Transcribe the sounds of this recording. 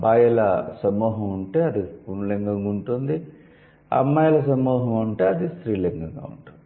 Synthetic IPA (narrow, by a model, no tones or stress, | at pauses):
baːjɐlɐ̰sɐmuːɦɐmuɳʈe̞ːɐd̪ipunleŋɡɐŋuɳʈund̪i | ɐ̰mːaːjɐlɐs̬ɐmuːɦɐmuɳʈeːɐd̪ist̪ɾiːleŋɡɐŋɡa̰ːṵɳʈund̪i